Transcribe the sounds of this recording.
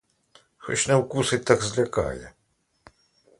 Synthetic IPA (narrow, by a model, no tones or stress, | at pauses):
xɔ̰t͡ʃnɛwkusɪt̪ɑɡzlʲɐkɑ̰jɛ̰